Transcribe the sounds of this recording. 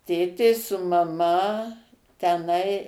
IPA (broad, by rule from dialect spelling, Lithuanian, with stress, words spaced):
ˈtʲeːtʲeː sʊ mɐˈmɐ tʲɛˈnɐɪ